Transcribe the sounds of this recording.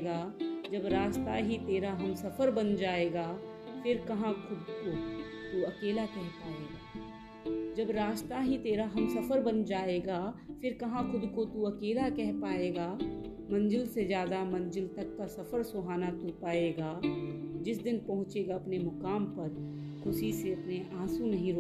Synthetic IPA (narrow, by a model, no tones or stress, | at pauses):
ɡaːd͡ʒɐbɾaːd͡ʒt̪aɦit̪eːɾaɦɐmsɐfəɾbɐnd͡ʒaːeːɡaː | fʰɪɾkɐɦãxʰʊd̪ko | t̪uɐkeːlakɛɦpaːeːɡaː | d͡ʒɐbɾaːd͡ʒt̪aɦit̪eːɾaɦɐmsɐfəɾbɐnd͡ʒaːeːɡaːfʰɪɾkɐɦãkʰʊd̪kot̪uɐkeːlakɛɦpaːeːɡaː | mɐ̃nd͡ʒɪlsed͡ʒjaːd̪amɐ̃nd͡ʒɪlt̪ɐkːasɐfəɾsʊɦaːnat̪ʊɾpaːeːɡaːd͡ʒɪsd̪ɪnpɐɦʊ̃t͡ʃeːɡaɐpnemʊkaːmpɐɾ | kʰʊsiseɐpneʔaːsũnɐɦĩɾo